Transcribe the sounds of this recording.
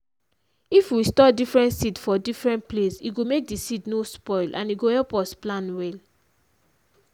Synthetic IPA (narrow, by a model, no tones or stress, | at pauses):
ifwistɔdifɹɛ̃ntsitfɔdifɹɛ̃nt̚plesḭɡomek̚disitnospɔɪlʔã̰niɡohɛlpɔsplãnwɛl